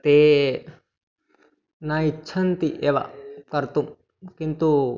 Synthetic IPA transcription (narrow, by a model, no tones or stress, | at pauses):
t̪e | naitːʃʰɐnt̪iʔeʋa̰kɐɾt̪um | kint̪u